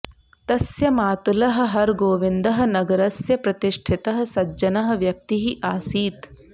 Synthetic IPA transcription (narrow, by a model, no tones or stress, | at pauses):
t̪ɐsjɐmaːt̪ulɐɦɐ̆ɦɐɾɡoːʋind̪ɐɦɐ̆nɐɡɐɾɐsjɐpɾɐt̪iʂʈʰit̪ɐɦɐ̆sɐd͡ʒɐnɐɦɐ̆ʋjɐk̚t̪iɦiʔaːsiːt̪